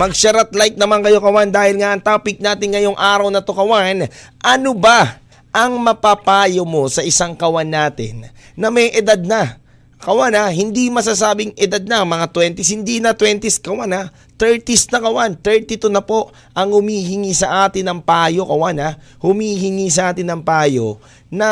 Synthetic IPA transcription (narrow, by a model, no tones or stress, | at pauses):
mɐɡʃɐɾat̪̚lajk̪̚nɐmaŋkɐjo̞kɐwand̪aːhɪlŋaʔɐŋt̪aːpɪk̚naːt̪ɪŋŋɐjo̞ŋʔaːɾɐwnɐt̪okɐwanʔɐnoba | ʔɐŋmɐpapaːjomo̞sɐʔɪsaŋkɐwanːaːt̪ɪ̰nː | ɐmɛjʔɛd̪ad̪̚nɐ | kɐwanaɦɪnd̪imɐs̬asaːbɪŋʔɪd̪ad̪̚nɐɐŋmɐŋat̪wɛnt̪ɪshɪnd̪inɐt̪wɛnt̪ɪskɐwana | t̪ɛɹt̪isnɐkɐwant̪ɛɹt̪ɪt̪onɐpo̞ʔ | ʔɐŋhʊmiːɦɪŋisɐʔaːt̪ɪnɐŋpaːjo̞kɐwanahʊmiːɦɪŋis̬ɐʔaːt̪ɪnɐŋpaːjo̞ | nɐ